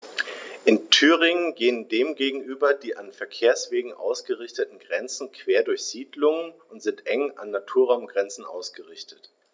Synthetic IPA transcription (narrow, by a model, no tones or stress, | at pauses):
ʔɪntʰyːʁ̞ɪŋənɡeːəndeːmɡeːɡŋ̩ʔyːbɐdiːʔanfɛɐkʰeːɐsv̥eːɡŋ̩ʔa̰ʊsɡ̥əʁɪçtətn̩ɡʁɛnt͡sn̩kʰv̥eːɐdʊɐçz̥iːdlʊŋənʊntz̥ɪntʔɛŋa̰nːatʰuːɐʁaʊmɡʁɛnt͡sn̩ʔa̰ʊsɡ̥əʁɪçtət